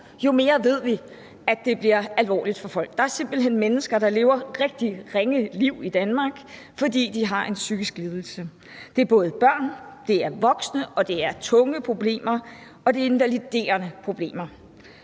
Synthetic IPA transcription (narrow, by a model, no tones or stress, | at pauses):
jo̝me̝ːɐʋe̝ð̞̰ˠʋi | æd̥e̝b̥liɐælʋɒ̰ːlid̥fɒ̽fɒ̽l̰ɡ̥̚d̥ɑ̈æɐse̝m̰b̥l̩ɦen̰menəsɡ̥ɐɾ̥ɑ̈le̝ːʊɐʁeɡ̥̚d̥iʁeŋəliʊ̰id̥ænmɑ̈ɡ̥ | fɒ̽d̥ḭːd̥iɦɑ̈ʔe̝nsyɡ̥isɡ̥liːð̞ˠl̩sə | d̥e̝æɐb̥ɔ̽ːð̞̩ˠəb̥ɶɐ̰nd̥e̝æɐʋɒ̽ɡ̥snəʔɒ̽d̥e̝æɐt͡sʰɔ̽ŋəpʰʁo̝b̥le̝̰ːmɐ | ɒ̽d̥e̝e̝nʋælid̥e̝̰ːɐnəpʰʁo̝b̥le̝̰ːmɐ